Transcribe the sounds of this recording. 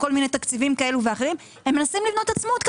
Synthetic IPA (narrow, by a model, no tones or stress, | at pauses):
ko̞lminejt̪akt͡sivimkae̞luveaχeʁim | emːenasimlivno̞t̪at͡smot̪k